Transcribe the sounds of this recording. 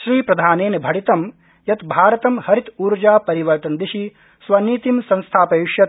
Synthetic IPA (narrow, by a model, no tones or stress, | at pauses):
ʃɾiːpɾɐd̪ʱaːneːnbʱɐɽit̪ɐm | jɐt̪bʱaːɾɐt̪ɐmhɐɾit̪uːɾd͡ʒaːpɐɾiʋɐɾt̪ɐnd̪iʃi | sʋɐniːt̪imsɐ̃nst̪ʰaːpɐjiʃjɐ